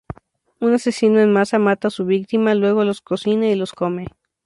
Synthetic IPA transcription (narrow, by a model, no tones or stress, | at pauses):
unase̞sinoenmasamat̪asuβ̞ik̚t̪imalwe̞ɣo̞lo̞sko̞sinailo̞sko̞me̞